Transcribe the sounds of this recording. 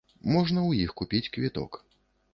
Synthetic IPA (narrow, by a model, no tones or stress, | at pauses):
mɔʐnɐwjixkupʲit͡sʲkvʲit̪ɔ̰k